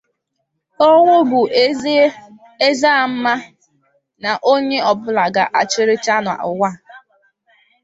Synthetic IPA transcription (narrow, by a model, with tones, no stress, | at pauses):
o˦ŋʷo˦bʊ˨ | e˦za˦˨m̩˦ma˦ | na˨ʔo˦ɲe˦ɔ˨bʊ˦la˨ɡa˨ʔa˨t͡ʃɪ˦ɾɪ˦t͡ʃa˦nʊ˨a̰˨ʊ̰˨wʷa˦˨